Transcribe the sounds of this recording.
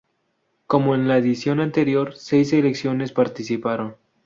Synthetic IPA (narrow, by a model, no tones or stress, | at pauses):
ko̞mo̞enlaeðisjo̞nant̪e̞ɾjo̞ɾse̞js̬e̞le̞ksjo̞ne̞spaɾt̪isipaɾo̞n